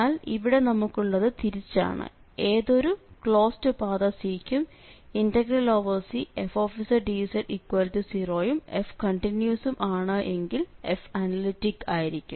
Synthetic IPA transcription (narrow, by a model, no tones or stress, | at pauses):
aːliʋiɽe̞nɐmukːuɭːɐðɨt̪iɾit͡ɕːa̰ːɳɨ̰ | e̞ːðo̞ɾukɭo̞ːstɨpaːðɐsiːkʲːum | indɐɡrɐlo̞ːʋɐrsiefo̞ːfisɐrɖiʋsɐʈikːwaːliʈːisiro̞ːjume̞fkɐɳʈinjusumʔaːɳɨʔe̞ŋɡilḛfɐnɐliʈːikːaːjiɾikʲːṵm